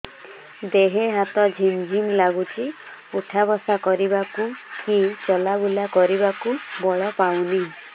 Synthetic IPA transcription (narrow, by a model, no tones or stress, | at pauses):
d̪eɦeɦat̪ɔd͡ʒʱimd͡ʒʱimlaɡut͡ʃʰi | uʈʰabɔsakɔɾibakukit͡ʃɔlabulakɔɾibakubɔɭɔpawni